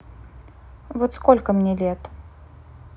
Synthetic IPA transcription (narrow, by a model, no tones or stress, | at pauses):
vot̪skolʲkəmnʲelʲet̪